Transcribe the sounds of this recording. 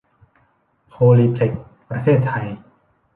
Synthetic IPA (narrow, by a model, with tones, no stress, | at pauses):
pʰoː˧liː˧t̪ʰe˨˩k̚ | pɾa˧t̪ʰeː˥˩t̪ʰːa˧j